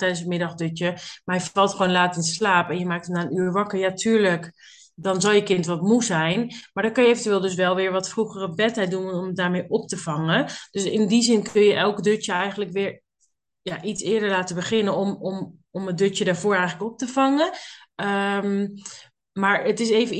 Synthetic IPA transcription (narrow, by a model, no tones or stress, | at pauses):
tɛjdənsətmɪdɑχdøt͡ʃjəmajəfɑlˠtχʋoːnlaːtənslaːpɛnjəmaːk̚tətnaːənyːɹʋɑkəɹjatʰyːɹlək | dɔnzɔlˠjəkɪntʋɔtmuzɛjnmaːɹdɔkønjəevəntyʋɪːlˠdɵs̬ʋɛlˠʋɪːɹʋɑtfruχərəbɛtɛj̚dunɔmdaːɹmeːʔɔp̚təv̥ɑŋəd̥øsɪndizɪnkɵnjəʔɛlˠkdøt͡ʃjəɛjχənləkʋɪːɹ | jaʔitsɪːɹdəɹlaːtəbəχɪnənɔmɔm | ɔmədøt͡ʃədaːɹvʊːɹɛjxələkɔp̚təv̥ɑŋəəm | maːɹətɪsejvə